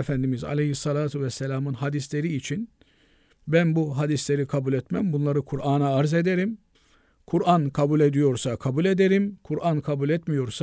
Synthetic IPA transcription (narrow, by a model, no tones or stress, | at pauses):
efænd̪imiza̰lʲejhisːɑlʲaːt̪ʰuvɛsːelʲaːmɯnɦad̪islʲe̞ɾiːt͡ʃʰin | bænbuɦad̪islʲe̞ɾikʰabulʲɛt̪mæmbunlˠaɾɯkʰuɾaːnaːɾze̞d̪eɾim | kʰuɾankʰabulʲe̞d̪ijo̞ɾsakʰabulʲe̞d̪eɾimkʰuɾʔankʰabulʲɛt̪mijo̞ɾsa